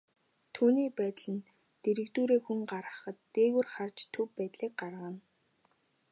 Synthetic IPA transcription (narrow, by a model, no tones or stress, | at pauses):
t̪ʰuːniːpæːt̪ɮɘ̆n | t̪eɾɘ̆kt̪uːɾeːxuŋɢaɾə̆χə̆t̪ːeːɣuːrχart͡ɕt̪ʰɵwːæːt̪ɮiːk̚ɢarʁə̆n